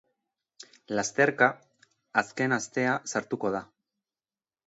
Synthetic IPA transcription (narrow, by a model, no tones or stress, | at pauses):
last̪e̞ɾkaː | ske̞nast̪e̞asaɾt̪uko̞ð̞a